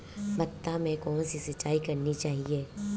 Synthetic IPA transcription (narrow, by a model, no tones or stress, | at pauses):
bɐt̪ːamɛ̃kɔːnsisɐtt͡ʃːaːikɐɾnit͡ʃaːɦieː